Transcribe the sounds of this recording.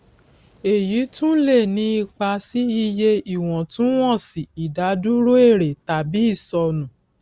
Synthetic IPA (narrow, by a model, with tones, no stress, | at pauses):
e˨ji˨˦tũ˦le˦˨nĩ˧˦i˧k͡pa˧si˦i˦˧je˧i˨w̃ɔ̃˨tũ˦w̃ɔ̃˦˨si˨i˨da˨˦du˦ɾo˦e˦˨ɾe˨ta˨bi˨˦i˦˨sɔ˧nũ˨